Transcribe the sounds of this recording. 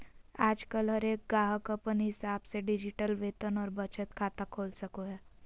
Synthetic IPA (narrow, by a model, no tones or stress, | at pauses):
ad͡zkəlɦəɾek̚ɡaɦəkəpənɦisabseɖid͡ʑiʈəlʋet̪ənɔɾbət͡ʃət̪kʰat̪akʰolsəkoja